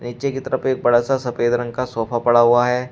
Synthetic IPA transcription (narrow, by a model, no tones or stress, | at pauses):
niːt͡ʃekit̪əɾəpeːk̚bɐɽasasɐpeːd̪ɾə̃ŋɡkasoːpʰapɐɽaɦʊaɦɛː